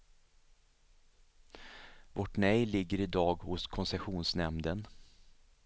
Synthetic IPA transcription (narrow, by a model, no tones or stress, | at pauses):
vɔʈnɛjlɪɡːəɾɪd̪ɑːɡhʊskʰɔnsɛɧuːnsnɛmd̪ən